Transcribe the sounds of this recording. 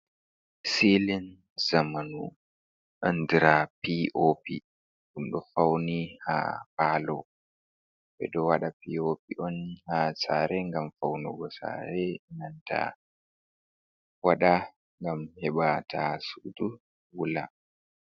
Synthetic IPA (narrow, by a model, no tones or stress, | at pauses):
silin | zamanu | ʔandiɾapiʔopi | ɗumɗɔfawniha̰palɔ | bɛ̰dɔwaɗapiopiʔɔnhasa̰ːɾɛŋɡamfawnɔɡɔsa̰ɾɛnanta̰ | waɗa | ŋɡamhɛɓatasudu | wula̰